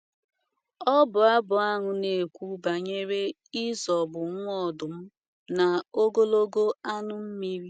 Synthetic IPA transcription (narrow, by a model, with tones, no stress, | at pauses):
ɔ˦bʊ˨a˦bʊ˨a˦ŋʊ˨ne˨kʷu˦ba˨ɲe˦ɾe˦ | i˦zɔ˨bʊ˨ŋ̩ʷ˦ɔ˦˨dʊ˨m̩˦ | na˨o˦ɡo˦lo˦ɡo˦a˦nʊ˦m̩˦mi˦ɾi˦